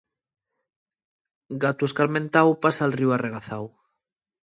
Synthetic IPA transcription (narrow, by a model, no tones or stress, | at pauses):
ɡat̪ueskalmẽnt̪awpasalriwareɣ̞aθaw